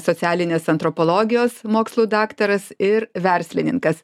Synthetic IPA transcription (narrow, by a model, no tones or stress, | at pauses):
sɔt̪sʲæːlʲɪnʲeːsɐnt̪ɾɔpɔlˠoːɡʲɪjoːsmoːkslˠuːd̪ɑːkt̪ɐɾɐsɪɾʋʲɛɾʲsʲlʲɪnʲɪ̰ŋkɐs